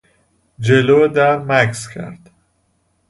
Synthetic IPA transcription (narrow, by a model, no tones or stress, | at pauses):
d͡ʒeloːd̪æɾmækscʰæ̰ɾd̪̥